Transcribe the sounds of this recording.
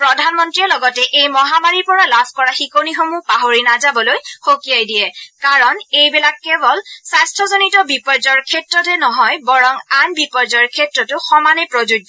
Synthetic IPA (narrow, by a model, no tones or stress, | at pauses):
pɹɔdʱanmɔntɹijɛlɔɡɔtɛʔejmɔɦamaɹiɹpɔɹalabʰʱkɔɹaxikonixomupaɦoɹinazabɔlojxokijajdiɛkaɹɔnejbɛlakːɛbɔlsastʰɔzonitɔbipɔɹzɔɹkʰɛtɹɔtɛnɔɦɔjbɔɹɔŋanbipɔɹd͡ʒɔɹkʰɛtɹɔtʊxɔmanɛpɹozud